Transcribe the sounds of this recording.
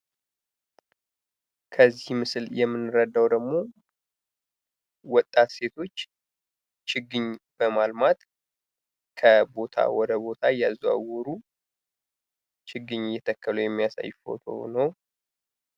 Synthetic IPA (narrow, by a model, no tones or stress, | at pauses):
kʰəzːihmɨsɨljɛmːɨnːɨɾəd̪ːawd̪əɡmo̞ | wɔt̪ʼːat̪se̞t̪ʰo̞t͡ʃː | t͡ʃɨɡɨɲb̥əmalmat̪ | kʰəbo̞t̪ʰa̰wɔd̪əbo̞t̪ʰajaza̰wɔɾu | t͡ʃʰɨɡːɨɲjɛt̪ʰəkʰːəlujɛmːijasa̰jːfo̞̰t̪ʰo̰nəw